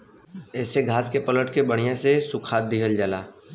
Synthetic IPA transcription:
ɛːseɡʱaːskepələʈkebəɽ̤̃ijãsesʊkʰaːt̪̚d̪ɪɦəld͡ʒalaː

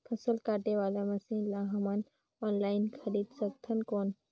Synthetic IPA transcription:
kʰɐsəlkaːʈeʋaːlamɐsiːnlaɦɐman | oːnlaːɪnkʰɐɾiːd̪sɐk̚t̪ʰɐnkoːn

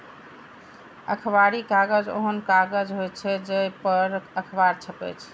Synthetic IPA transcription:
ə̰kʰbaɾikaɡəd͡ʒo̰ɦənkaɡəd͡ʒɦojt͡ʃʰɛd͡ʒepəɾəkʰbaɾt͡ʃʰəpɛ̰t͡ʃʰ

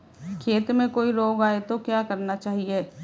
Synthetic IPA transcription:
kʰeːt̪mẽkoːiloːɡaːet̪okjaːkɐɾnat͡ʃaːɦieː

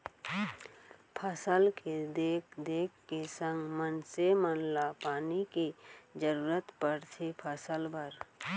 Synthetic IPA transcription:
pʰəsəlked̪eːkʰd̪eːkʰːesə̃ŋɡmənsemənlapaːnikid͡ʒəɾuːɾət̪pəɾt̪ʰepʰəsəlbʱəɾ

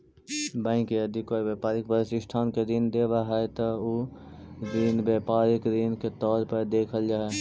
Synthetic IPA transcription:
bãɪ̃keɐd̪ʱɪkɔːɾʋeːpaːɾɪkpəɾsɪsʈʰaːnked̪ind̪eːʋaɦɛt̪ɐo | d̪inbeːpaːɾɪkd̪inket̪ɔːɾpəɾd̪eːkʰəld͡ʒaːɦɛ

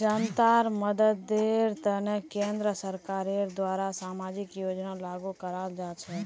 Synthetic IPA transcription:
d͡ʒant̪aɾməd̪əd̪ːeɾt̪ənekẽnd̪ɾəsəɾkaɾeɾd̪ʋaɾasamad͡ʒikjod͡ʒnalaɡukəɾald͡ʒat͡ʃʰe

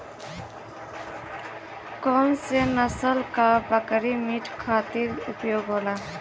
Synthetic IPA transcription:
kɔmsenəsəlkabəkɾimiʈʰkʰaːt̪iɾupjoːɡɦoːla

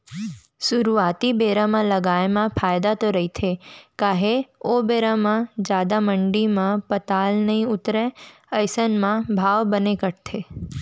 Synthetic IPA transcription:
sʊɾuaːt̪ibeːɾamãləɡaːemãpʰaːjd̪at̪oɾəɦit̪ʰekaːɦeobeːɾamãd͡ʒjaːd̪amə̃ɳɖimãpət̪aːlnɐɦĩʊt̪ɾe | əjsənmãbʱaːʋbənekəʈt̪ʰe

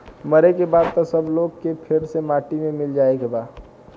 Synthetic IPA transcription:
məɾekebaːd̪̚t̪osəbloːɡ̚kepʰɪɾsemaːʈimẽmɪld͡ʒaːeɡebaː

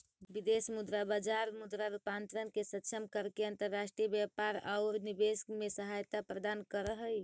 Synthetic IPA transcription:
bid̪esmud̪ɾabad͡ʒaɾmud̪ɾaɾupant̪ɾənkesətːʃʰəmkəɾkeənt̪əɾːasʈɾijəbjapaɾa̰ʊɾnibeskmesəɦajt̪apɾəd̪ankəɾəɦəj

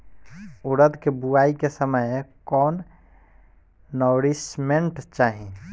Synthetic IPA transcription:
uɾəd̪kebuaikesəməjkɔːn | ɔːɾismeɳʈt͡ʃaːɦi

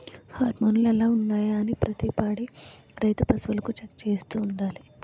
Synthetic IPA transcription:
haːɾmoːnulɛlːaːunːaːjaːnipɾɐt̪ipaːɽi | ɾɐjt̪upɐsʋɐlɐkut͡ʃekːt͡ʃe̞ːst̪uːɳɖaːli

